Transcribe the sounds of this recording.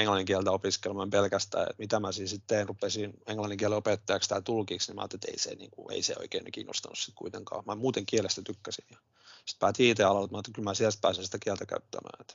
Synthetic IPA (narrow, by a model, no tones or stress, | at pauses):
eŋlɑnːiŋkiælt̪æopiskelmɑmpelkæst̪æ̰ːḛt̪mit̪æmæsisit̪t̪eːnrupesineŋlɑnːiŋkiæleopet̪ːɑjɑkst̪æt̪ulkiːksnimɑ̰ːnt̪ːet̪ḛisḛnḭːŋkuḛisḛo̰ikeːnekḭːno̰st̪ɑnussit̪kuit̪eŋkɑ̰ːmæmuːt̪eŋkielest̪æt̪ykːæsinjɑ | si̥t̪̚pæːt̪iit̪eɑlɑlt̪mɑnt̪ːekylmæsiælt̪̚pæːsinsi̥t̪ækiælt̪ækæ̰yt̪ːæ̰mæ̰ːet̪